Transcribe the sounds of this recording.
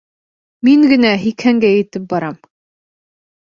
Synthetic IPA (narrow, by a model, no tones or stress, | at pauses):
miŋɡɘ̆næɦikhæŋɡæjɘ̆t̪ɘp̚bɑɾɑm